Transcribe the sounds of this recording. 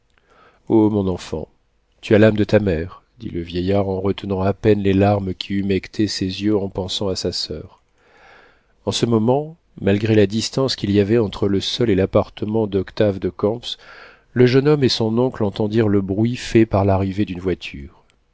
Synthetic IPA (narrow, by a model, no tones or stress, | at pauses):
omɔ̃nɑ̃fɑ̰̃ | t̪yalamd̪ət̪amɛʁd̪ḭləvjɛjaʁɑ̃ʁət̪ənɑ̃apɛnlelaʁmkʲʰiymɛkt̪ʰesezjøɑ̃pɑ̃sɑ̃asasœːʁ | ɑ̃səmɔmɑ̃ | malɡʁelad̪ist̪ɑ̃skʲiliavɛɑ̃t̪χələsɔlelapaʁt̪əmɑ̃d̪ɔkt̪avd̪əkɑ̃ps | ləʒənɔmesɔ̃nɔ̃klɑ̃t̪ɑ̃d̪iʁləbʁɥifɛpaʁlaʁived̪ynvwat̪ʰyːʁ